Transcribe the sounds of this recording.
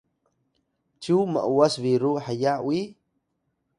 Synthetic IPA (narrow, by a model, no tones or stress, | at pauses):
t͡ʃumə̰ʔuwasviɾuħajawi